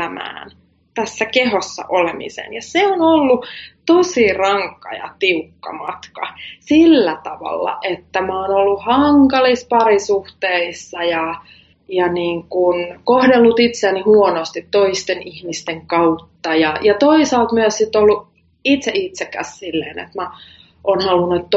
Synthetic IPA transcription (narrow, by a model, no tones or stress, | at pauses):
æmæ̰ːn | t̪æsːækehosːɑ̰ʔolemḭsḛnjɑseonolːut̪osirɑŋkːɑ̰jɑ̰t̪iukːɑ̰mɑt̪kɑsilːæt̪ɑʋɑ̰lːɑ̰ʔet̪ːæmoːnolːuhɑŋkɑlispɑrisuht̪eisːɑjɑ | jɑniːŋkunkohdelːut̪it̪seːnihuonost̪it̪toist̪enihmist̪eŋkɑut̪ːɑjɑjɑt̪oisɑːlt̪myøssit̪ːolːu | it̪seʔit̪sekːæ̰ssilːḛːnḛt̪mæ | ʔoːnhɑlunut̪t̪